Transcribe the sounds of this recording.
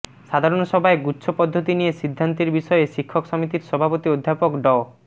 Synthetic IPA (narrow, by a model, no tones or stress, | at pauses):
ʃad̪ʱaɾonsɔbʱaeɡutːʃʰopɔd̪ʱːot̪inieʃid̪ʱːant̪iɾbiʃɔeʃikʰːoksɔmit̪iɾsɔbʱapot̪iod̪ʱːapokɖɔo